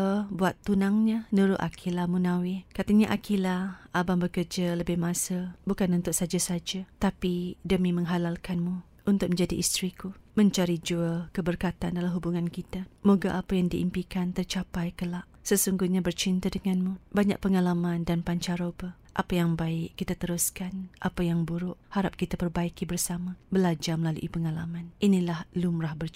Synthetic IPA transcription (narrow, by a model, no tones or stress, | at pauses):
buat̪ːunaŋɲanuɾʊʔ̪a̰kʰilamunãwɪkat̪aɲaʔakilaʔabambəkərd͡ʒaləbɪhmãsəbukanunt̪ʊk̚sad͡ʒasad͡ʒat̪apidəmimə̃ŋɦalalkanmu | ʔunt̪ʊk̚mə̃ɲd͡ʒadiʔist̪ɾikumə̃ɲt͡ʃaɾid͡ʒuakəbərkat̪andalamɦubuŋãnkit̪amoɡaʔapajaŋdiʔḭmpikant̪ərt͡ʃapajkəlaʔsəsuŋɡuhɲabərt͡ʃint̪adəŋanmubaɲa̰ʔ̚pəŋalamandanpaɲt͡ʃaɾobəh | ʔapajaŋbaɪʔːit̪at̪əɾuskanʔa̰pajaŋbuɾʊʔhaɾap̚kit̪apərbaikibərsamabəlad͡ʒarməlalṵʔipəŋalamanʔinilahlumrahbər